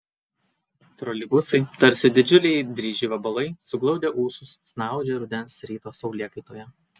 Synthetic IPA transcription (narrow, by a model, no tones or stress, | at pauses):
t̪ɾɔlʲɪbʊsɐɪt̪ɐɾʲsʲɪd̪ʲɪd͡ʒʲʊlʲɛɪd̪ʲɾʲiːʒʲiːʋɐbɐlˠɐɪsʊɡlˠɒʊd̪ʲeːʔuːsʊsːnɑˑʊd͡ʒʲeɾʊd̪ʲɛnsɾʲiːt̪oːsɒʊlʲiɛkɐɪt̪oːjɛ